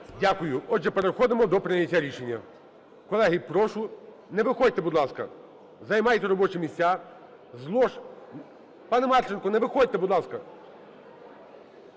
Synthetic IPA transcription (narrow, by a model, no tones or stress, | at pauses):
dʲakʊjʊɔdʒɛpeɾexɔd̪ɪmɔd̪ɔpɾɪnʲɐtʲːaɾʲiʃenʲːɐ̰ | kɔlˠɛɦɪpɾɔʃʊ | nɛʋɪxɔd̚ʲt̪ɛbud̪lˠɑskɐ̰ | zɐjmɑjt̪ɛɾɔbɔt͡ʃɪmʲisʲt͡sʲa | zlˠɔʃ | pɑnɛmɑrt͡ʃenkɔnɛʋɪxɔd̚ʲt̪ɛbud̪lˠɑskɐ